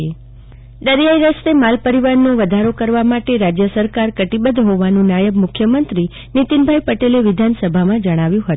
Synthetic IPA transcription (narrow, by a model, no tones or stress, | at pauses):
d̪əɾjaiɾəst̪emalpəɾiʋaɾnoʋəd̪ʱaɾokəɾʋamaʈeɾad͡ʒjəsəɾkaɾkəʈibəd̪ʱɦoʋanũnajəbmʊkʰjəmənt̪ɾi | nit̪inbʱajpəʈeleʋɪd̪ʱansəbʱamãd͡ʒəɽ̃aʋjũɦət̪ũ